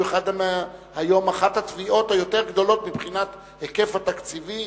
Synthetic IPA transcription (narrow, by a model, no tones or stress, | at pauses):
eχad̪mhajo̞maχat̪hat̪viʔo̞t̪hajo̞t̪e̞ʁɡd̪o̞lo̞tmibχinat̪ | heke̞fhat̪akt͡sivi